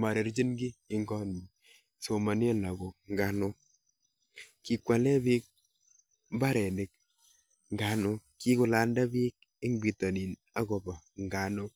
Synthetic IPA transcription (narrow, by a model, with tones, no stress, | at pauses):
ma˨ɾe˨ɾd͡ʒi˦nɡi˦ɪ˦ŋɡɔ˦ni˨ | so˨ma˨nja˦la˨ɡo˨ŋɡa˨no˦ | ki˨kʷwa˨lɛ˦bi˦k̚ | mba˦ɾɛ˨ne˨k̚ | ŋɡa˨nʊ˦ki˦kʊ˨la˨nda˦bi˦k̚ | ɪ˦ŋbi˨to˨ni˨n | a˦ɡɔ˨bɔ˨ŋɡa˨nʊ˦